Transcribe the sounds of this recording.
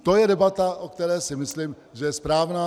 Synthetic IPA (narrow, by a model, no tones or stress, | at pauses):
t̪ojɛdɛbat̪aʔokt̪ɛɾɛːsɪmɪslim | ʒɛjɛspɾaːvnaː